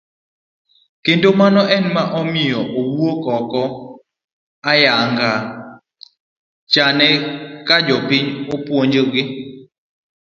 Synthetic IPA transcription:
kentomanɔʔɛnmaʔɔmɪjɔʔowuokɔkɔ | ajaŋɡa | t͡ʃanɛkad͡ʒɔpɪɲopwoɲd͡ʒoɡɪ

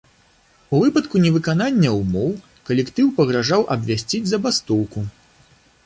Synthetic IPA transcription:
uvɨpɐt̪kunʲɛvɨkananʲːɐumɔw | kɐlʲɛkt̪ɨwpɐɣɾaʐawʔɐbʲvʲasʲt͡sʲid͡zʲzɐbast̪ɔwku

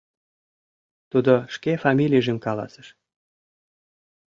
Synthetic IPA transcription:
t̪ud̪oʃkefɑmʲilʲijʒəmkɑlɑ̰sə̥ʃ

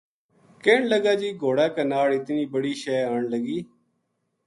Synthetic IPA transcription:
keːɳləɡaːd͡ʒiːɡʱoːɽaːkanaːlɪt̪niːbəɽiːʃɛːaːɳləɡiː

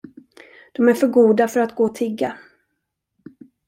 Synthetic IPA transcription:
d̪̥ɔmæɾfœɾɡuːd̪afœɾat̪ɡoːt̪ʰɪɡːa

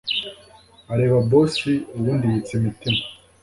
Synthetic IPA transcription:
aɾeːβabosiuβuːndijit͡semitima

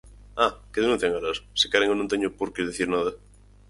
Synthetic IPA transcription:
akeðenũ̟θjaŋaɾasse̥kaɾeŋonõnt̪eɲopoɾkeðeθiɾnaðɐ

